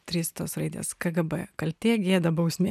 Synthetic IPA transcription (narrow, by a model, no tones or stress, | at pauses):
t̪ʲɾʲiːst̪oːsɾɐɪd̪ʲḛːskɐɡɐbɛ̰kɐlʲt̪ʲeːɡʲeːd̪ɐbɐʊsʲmʲeː